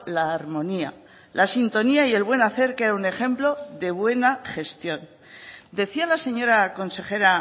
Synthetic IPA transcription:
laːɾmõ̞nia̰ | lʔasint̪o̞niaie̞lβwe̞naθe̞ɾkeɾaune̞xe̞mplo̞ðe̞βwe̞naχe̞st̪jo̞n | d̪e̞θialase̞ɲoɾako̞nse̞xe̞ɾa

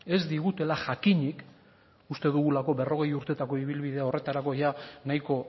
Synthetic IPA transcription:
e̞zd̪iɣut̪e̞laʝakiɲik | ust̪e̞ðuɣ̞ulako̞βe̞ro̞ɣ̞e̞juɾt̪e̞t̪ako̞iβ̞ilβiðe̞ao̞re̞t̪aɾako̞janajko̞

